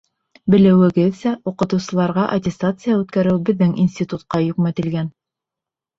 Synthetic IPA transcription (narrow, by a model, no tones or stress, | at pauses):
bɘ̆lɘ̆wɘ̆ɡɘðsæuqɤ̆t̪ɤ̆wsɤ̆lˠɑɾʁɑʔɐtʲɪst̪at̪sɨjaʉt̪kæɾɘwbɘ̆ðːɘŋinsʲtʲit̪ut̪qɑjɵ̆kmæt̪ɘ̆lɡæn